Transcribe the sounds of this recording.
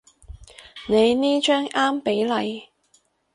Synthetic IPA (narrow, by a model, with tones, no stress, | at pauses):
ne˨˧jniː˥t͡ʃœː˥ŋaː˥mpe˨˥jlɐ˨˧j